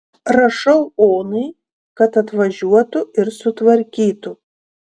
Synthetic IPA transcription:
ɾɐʃɐʊoːnɐɪ | kɐt̪ɐt̪ʋɐʒʲuɔt̪ʊɪɾsʊt̪ʋɐɾʲkʲiːt̪ʊ

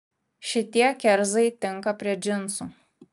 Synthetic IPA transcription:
ʃʲɪt̪ʲiɛkʲɛɾzɐɪt̪ʲɪŋˑkɐpʲɾʲiɛd͡ʒʲɪnˑsu

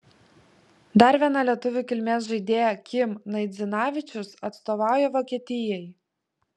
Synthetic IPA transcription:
d̪ɐɾʋʲiɛnɑːlʲiɛt̪ʊʋʲukʲɪlʲmʲeːs̬ʒɐɪd̪ʲeːjɛkʲɪmnɐɪd̪zʲɪnɑːʋʲɪt͡ʃʲʊsɐt̪st̪oːʋɑˑʊjɛʋoːkʲiɛt̪ʲɪjɛj

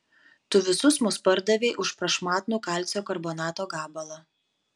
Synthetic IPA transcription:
t̪ʊʋʲɪsʊsmʊspɐɾd̪ɐʋʲeːʔʊʃpɾɐʃmɑːt̪nuːkɑˑlʲt̪sʲoːkɐɾbɔːnɑːt̪oːɡɑːbɐlˠɐ

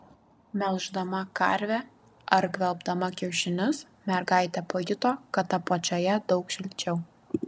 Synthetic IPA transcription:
mʲɛlˠʒd̪ɐmɐkɐ̰ɾʲʋʲɛ | ɐɾkʋʲɛlˠbd̪ɐmɐkʲɛʊʃʲɪnʲɪs | mʲɛɾɡɐˑɪt̪ʲɛpoːjʲɪt̪oːkɐt̪ɐpot͡ʃʲojɛd̪ɒʊkʃʲɪlʲt͡ʃʲɛʊ

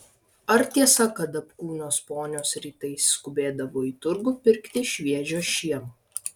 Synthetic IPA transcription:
ɐɾt̪ʲiɛsɐkɐt̪ɐpkuːnʲoːspoːnʲoːsɾʲiːt̪ɐɪsskʊbʲeːd̪ɐʋoːiːt̪ʊɾɡʊːpʲɪɾʲkt̪ʲɪʃʲʋʲiɛʒʲoːʃʲiɛm

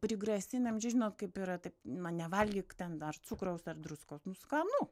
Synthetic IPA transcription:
pʲɾʲɪɡɾɐsʲɪnʲɛmt͡ʃʲɛʒʲɪnoːt̪kɐɪpiɾɐt̪ɐɪpnɐnʲɛʋɐlʲɡʲɪːkt̪ʲɛnɐrt͡sukɾɐʊsɐrd̪ɾʊskɐʊsnʊskɐnu

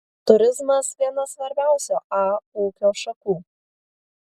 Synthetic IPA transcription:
t̪ʊɾʲɪzmɐsʋʲiɛnɐsʋɐɾʲbʲæˑʊsʲoːʔɑuːkʲoːʃɐkuː

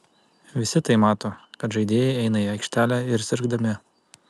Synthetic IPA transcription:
ʋʲɪsʲɪt̪ɐɪmɑːt̪oːkɐt̪ʒɐɪd̪ʲeːjɛɪɛɪnɐiɐɪkʃʲt̪ʲæːlʲæɪɾsʲɪɾɡd̪ɐmʲɪ

